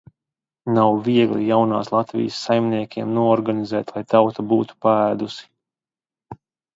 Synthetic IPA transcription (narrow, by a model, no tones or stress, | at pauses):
nawviɛɡlˠḭjawna̰ːslˠat̪vḭjəsːajmniɛkʲʰiɛmnuɔɔɾɡanizɛːt̪lˠajt̪awt̪abuːt̪u̥paæːd̪usi̥